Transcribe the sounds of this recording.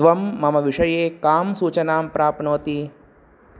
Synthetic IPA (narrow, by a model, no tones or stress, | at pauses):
ʋɐmːɐmɐʋiʂɐjeːkaːmsuːt͡ʃɐnaːmpɾaːpnoːt̪i